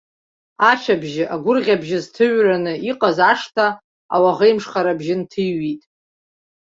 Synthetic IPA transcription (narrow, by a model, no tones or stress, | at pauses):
at͡ʃʰabʒɪʔaɡʷʊrʁʲabʒɪztʰɨɥranɨiqʼazaʂtʰa | a̰waʁejmʂχaɾabʒɪntʰɨjːitʼ